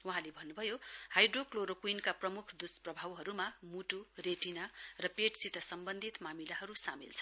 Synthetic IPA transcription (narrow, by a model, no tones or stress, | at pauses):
wuɦãlebʱʌnːubʱʌjohajɖrokloɾokwinkaprʌmukʰd̪usprʌbʱawɦʌɾumamuʈureʈinarʌpeʈsit̪ʌsʌmbʌnd̪ʱit̪mamilaɦʌɾusamḭlt͡sʰʌ̥